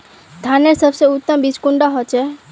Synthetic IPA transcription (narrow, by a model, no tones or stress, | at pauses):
d̪ʱaneɾsəbseut̪ːəmbit͡ʃkũɳɖaɦot͡ʃe